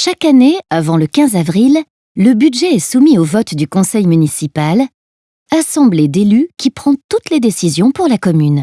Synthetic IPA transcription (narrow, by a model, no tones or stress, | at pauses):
ʃakaneavɑ̃ləkʲɛ̃zavʁilː | əbyd̪ʒɛɛsumiovɔt̪d̪ykɔ̃sɛjmynisipal | asɑ̃bled̪elykʲipχɑ̃t̪ut̪led̪esizjɔ̃puʁlakɔmyn